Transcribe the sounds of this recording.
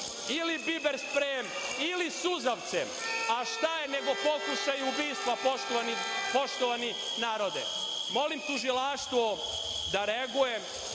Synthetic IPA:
ilibibeɾspɾem | ilisuzaʋt̪se | aʃt̪ajene̞ɡo̞po̞kuʃajubiːst̪ʋapotonipo̞ʃt̪oʋani | naːɾod̪ḛ | mo̞limt̪uʒilaʃt̪ʋo | d̪aɾeɡuje

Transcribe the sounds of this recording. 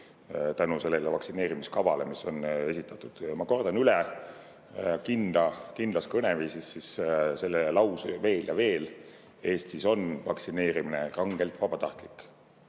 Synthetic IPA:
t̪ænuse̞lːelevɑksine̞ːɾimiskɑvɑle̞miso̞ne̞sit̪ːˑɑt̪ːˑud̪̥mɑko̞rd̪̥ɑnylɛ | kind̪̥ɑkind̪lɑskɤneviːsisːisse̞lːelɑwsve̞ːljɑve̞ːl | e̞ːst̪iso̞nvɑksine̞ːɾimine̞rɑŋɡ̥e̞lt̪vɑb̥ɑt̪ɑht̪likːˑ

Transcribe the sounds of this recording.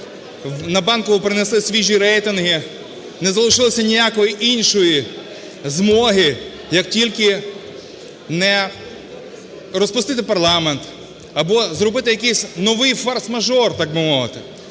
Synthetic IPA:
nɐbɑnkɔʋʊpɾɪnɛsɪsʲʋʲiʒʲiɾɛjt̪ɪnɦɪ | nɛzɐlˠɪʃɪlˠɪsʲɐnʲijakɔjiʔinʲʃɔji | zmɔɦɪ | jɐk̚tʲilʲkɪ | nɛ | ɾɔspʊst̪ɪt̪ɪpɐrlˠɑment̪ | ɐbɔzɾɔbɪt̪ɪjɐkɛjsʲnɔʋɪjfɐrsmɐʒɔrt̪ɑɡ̚bɪmɔʋɪt̪ɪ

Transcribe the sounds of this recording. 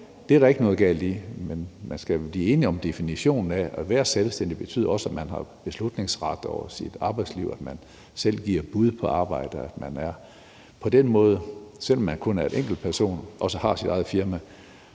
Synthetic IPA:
d̥eæɐɾ̥ɑ̈e̝ɡ̥ənɔ̽ːð̩ˠɡ̥æ̰ld̥imenmænsɡ̥æb̥liːe̝ːniɒ̽md̥e̝finiɕo̝̰ːnn̩ææʋæːɐselsd̥en̰d̥ib̥e̝t͡sʰy̰ðˠɒ̽səæ̥mænɦɑ̈b̥e̝slud̥ne̝ŋsʁɑ̈d̥ɒʊɐsid̥ɑ̈ːb̥ɑɪd̥sliʊæd̥mæn | sel̰ɡ̥iɐ̰b̥uð̞ˠpʰɒ̽ɑ̈ːb̥ɑ̈ɪ̰d̥əæd̥mænæɐ | pʰɒ̽d̥enmɔ̽ːð̞ˠəsel̰ɒ̽mːænkʰɔ̽næɐe̝dʔeŋ̰ɡ̥l̩̥̚pʰæɐso̝̰ːnʔɒ̽səhɑ̈sid̥ɑ̈ɪð̞̩ˠfiɐmæ

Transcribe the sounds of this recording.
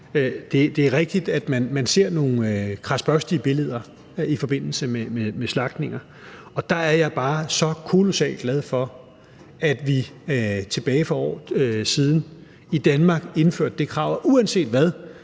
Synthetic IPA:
d̥e̝d̥e̝æɐʁɛɡ̥̚d̥id̥æd̥mænmænse̝ɐ̰no̝ːn̩kʰʁɑ̈sb̥ɶsd̥iəb̥e̝le̝ð̞̰ˠɐ | ifɒ̽b̥e̝n̰l̩səmememeslɑ̈ɡ̥d̥ne̝ŋ̰ɐ | ɒ̽d̥ɑ̈æɐjɑ̈ɪb̥ɑ̈ːsɒ̽kʰo̝lo̝sɛ̰ːld̥ɡ̥lɛð̞ˠfɒ̽ | æd̥ʋit͡sʰe̝b̥ɛːɪfɒɒ̰ːsiːð̞ˠn̩ | id̥ænmɑ̈ːɡ̥e̝nfø̰ɐ̰d̥ːe̝kʰʁɑ̰̈ʊ̰ɐʔuænse̝̰ːd̥ʋæð̞ˠ

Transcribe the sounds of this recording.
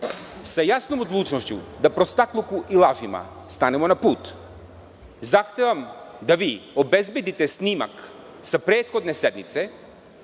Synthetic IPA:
sajasnomod̪lˠut͡ʃnoʃcṵd̪apɾost̪aklˠukuʔilˠaʒima̰ | st̪anɛmonapuːt̪ | zaxt̪evamd̪aʋiobɛzbed̪it̪ɛsnima̰k | sapɾeːt̪xod̪nesɛd̪mit̪sɛ

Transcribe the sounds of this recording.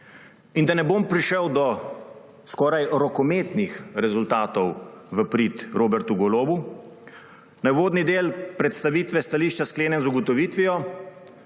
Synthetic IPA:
ind̪anɛboːmpɾiʃəwd̪ɔ | skɔːɾajɾɔkɔmeːt̪nixɾɛzult̪aːt̪ɔwʋəpɾiːt̪ɾoːbɛɾt̪uɡɔloːbu | nawʋoːd̪nid̪eːlpɾɛt̪st̪aʋiːt̪ʋɛst̪aliːʃt͡ʃaskleːnjɛnzuɡɔt̪ɔʋiːt̪ʋiɔ

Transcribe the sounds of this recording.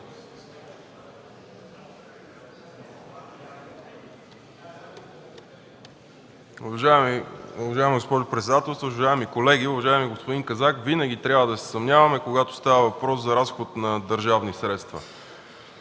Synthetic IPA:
ʊvɐʒaɛmuvɐʒaɛmiɡospɔʒʊpɾɛt̪sɛd̪at̪ɛlˠst̪voʊvɐʒaɛmikolɛɡiʊvɐʒaɛmiɡospod̪iŋkɐzakvinəɡʲit̪ɾʲabvəd̪ɐsɛ̥sɐmnʲjavɐmɛkoɡat̪o̥st̪avəvɐpɾɔszɐɾasxot̪nɐd̪əɾʒavnisɾɛt̪st̪və̰

